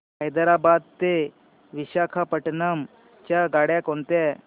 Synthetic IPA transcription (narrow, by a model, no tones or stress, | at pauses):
ɦəjd̪əɾabad̪̚t̪e | ʋiɕakʰapəʈnəm | t͡ɕjaɡaɽjakont̪ɛ